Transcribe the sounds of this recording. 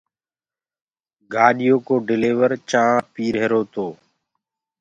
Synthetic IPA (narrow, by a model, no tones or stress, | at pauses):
ɡaːɗɪjoːkoːɖɪleːʋəɾt͡ʃãːpiːɾɦeːɾoːt̪oː